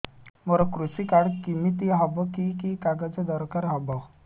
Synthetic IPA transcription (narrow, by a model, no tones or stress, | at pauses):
mɔɾɔkɾusikaɽkimit̪iɦɔbɔkikikaɡad͡zɔd̪ɔɾkaɾɦɔbɔ